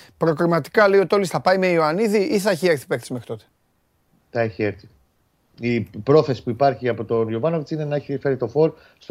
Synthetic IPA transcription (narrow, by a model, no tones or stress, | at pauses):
pɾo̞kɾimɐt̪i̥kɐle̞io̞t̪io̞lisθɐpɐimeioɐniðiʔiθɐeçieɾθi̥pekθisimexɾit̪o̞t̪e̥ | θɐeçieɾθi̥ | ipɾo̞θe̞si̥puipɐɾçiɐpo̞t̪o̞njovɐnovit͡sine̞nɐeçiifeɾit̪o̞fo̞ɾ | st̪